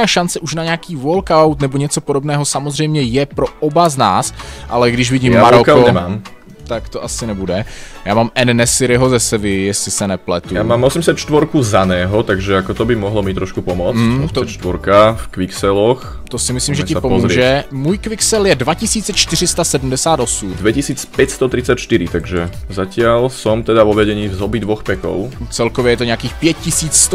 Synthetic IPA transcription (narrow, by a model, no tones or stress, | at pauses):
aːʃant͡sɛʔuʃnaɲɛakiːvolkawt̪nɛboɲɛt͡sopodobnɛːɦosamozr̝ɛjmɲɛjɛpɾoʔobaznaːsʔalɛɡdɪʃvɪɟiːmaːaɾokaoɲɛmaːm | t̪akt̪oʔasɪnɛbudɛjaːmaːmʔɛnːɛsɪɾɪɦozɛsɛvɪjɛslɪsɛnɛplɛt̪ujaːmaːmʔɔsɛmsat̪t͡ʃt̪vɔɾkuzanɛːɦɔt̪aɡʒɛakɔt̪obɪmɔɦlɔmiːt̪ːɾɔʃkupɔmɔmt͡s̪t͡ʃt̪ʋɔɾkafkʋiksɛlɔx | t̪osɪmɪslimʒɛcɪpopɔmzuɾːʒɛmuːjkvɪksɛljɛdvacɪsiːt͡sɛt͡ʃt̪ɪr̝ɪst̪asɛdm̩dɛsaːt̪osud̪ʋɛcisiːt͡spɛcst̪ɔt̪ɾit͡sacʃt̪iɾit̪aɡʒɛzacɪalsɔmt̪ɛd̪avɔʋɛɟɛɲiːvzɔbid̪ʋɔxpɛkɔ̰ʊt͡sɛlkovjɛjɛt̪oɲɛakiːxpjɛt̚cisiːt͡ss